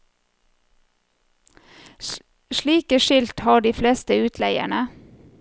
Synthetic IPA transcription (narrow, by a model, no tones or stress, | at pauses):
ʃliːkəʃɪlt̪hɑːɖiːfleːst̪əʉːt̪ʰlæɪə̰ɳə